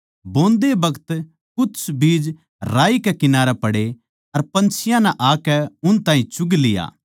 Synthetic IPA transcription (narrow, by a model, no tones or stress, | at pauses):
bõːnd̪ebɐɡət̪ | kʊtːsbiːd͡ʒ | ɾaːikɛkɪnaːɾɛpɐɽe | ɐɾpɐ̃nt͡ʃʰɪjãnɛʔaːkɛʊnt̪aːɦĩt͡ʃʊɡlɪja̰ː